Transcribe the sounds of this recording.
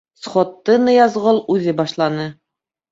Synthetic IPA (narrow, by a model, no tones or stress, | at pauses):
sχot̪ːɤnɤjɑzʁɤlˠʉðɘbɑʃlˠɑnɤ